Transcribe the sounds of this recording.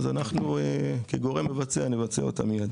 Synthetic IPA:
zanaχnuekeɡo̞ʁe̞mːe̞vat͡seanevat͡sḛot̪a̰mijad̪

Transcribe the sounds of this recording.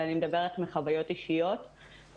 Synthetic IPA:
animed̪abe̞ʁet̪meχavajo̞t̪iʃijo̞t̪

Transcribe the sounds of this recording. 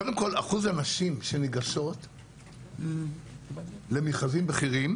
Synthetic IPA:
kod̪emko̞laχuzanaʃimʃe̞niɡaʃo̞t̪ | le̞miχazimbeχiʁim

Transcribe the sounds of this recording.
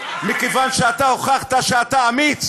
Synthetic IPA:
mikevanʃeat̪ahoχaχt̪aʃeat̪aamit͡s

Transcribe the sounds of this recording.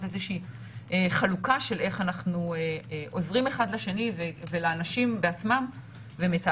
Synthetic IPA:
ezeʃiː | ʔeχalukaʃe̞le̞χanaχnueʔo̞zʁime̞χad̪laʃenivevelaːnaʃimbeat͡smam | ve̞meta

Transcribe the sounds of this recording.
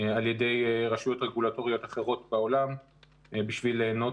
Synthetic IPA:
alje̞de̞jʁaʃujo̞t̪ʁeɡulato̞ʁijo̞t̪aχeʁo̞t̪beo̞lam | biʃvileːno̞

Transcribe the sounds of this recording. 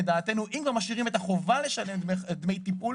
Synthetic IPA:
ed̪aːt̪e̞nuʔimkvaɐʁmaʃiʁime̞t̪aχo̞vale̞ʃale̞mdmed̪me̞jt̪ipul

